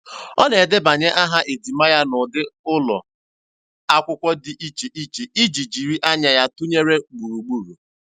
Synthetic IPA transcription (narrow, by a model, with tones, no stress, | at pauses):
ɔ˦ne˨dɪ˦ba˨ɲe˦ʔa˦ɦa˦ʔe˨di˨ma˦ja˦nʊ˨dɪ˦ʊ˦lɔ̰˨ | a˦kʷʊ˦kʷɔ˦dɪ˨ʔi˦t͡ʃe˨ʔi˦t͡ʃe˨i˦d͡ʒi˨d͡ʒi˨ɾi˦ʔa˦ɲa˨ja˦tʊ˦ɲe˦ɾe˦ɡ͡bu˨ɾu˨ɡ͡bu˦˨ɾu˨